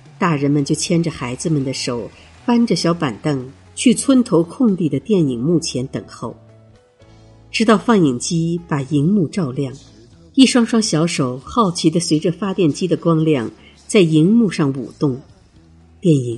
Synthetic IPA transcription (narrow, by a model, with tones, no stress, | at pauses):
t̪a˥˩ɻə˧˥nmə˧nt͡ɕjo˥˩ʊt͡ɕʰjɛ˥nʈ͡ʂə˩xa˧˥ɪd͡zɹ̩˧mə˨nd̪ə˩ʂo˨˩˦ʊ | fa˥nʈ͡ʂə˨˩ɕjɑ˧˥ʊpa˨˩nt̪ɤ˥˧˩ŋ | t͡ɕʰy˥˩t͡sʰwə˥nt̪ʰo˧˥ʊkʰʊ˥˧ŋli˥˩d̪ə˩t̪jɛ˥˩ni˨˩ŋmu˥˩t͡ɕʰjɛ˧˥nt̪ə̰˨˩ŋxo˥˩ʊ | ʈ͡ʂɻ̩˥t̪ɑ˥˧ʊfɑ˥˩ŋi˨˩ŋt͡ɕi˥pa˨˩i˧˥ŋmu˥˧ʈ͡ʂɑ˥˧ʊljɑ˥˩ŋ | i˥˩ʂwɑ˥ŋʂwɑ˥ŋɕjɑ˧˥ʊʂo˨˩ʊxɑ˥˩ʊt͡ɕʰi˧˥d̪ə˧swe˧˥ɪʈ͡ʂə˧fa˥t̪jɛ˥˩nt͡ɕi˥d̪ə˨kwɑ˥ŋljɑ˥˩ŋ | t͡sa˥˩ɪi˧˥ŋmu˥˧ʂɑ˥˩ŋṵ˨˩t̪ʊ˥˩ŋ | t̪jɛ˥˩ni˨˩˦ŋ